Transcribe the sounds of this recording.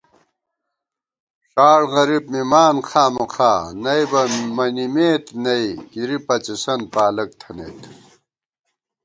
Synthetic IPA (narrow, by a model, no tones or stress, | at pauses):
ʂaːɽɣɐɾibmimaːnxʰaːmɐqʰaːnɐjbɐmɐnimeːt̪nɐikiɾipɐt͡ɕisɐnpaːlɐk̚t̪ʰɐnḛːt̪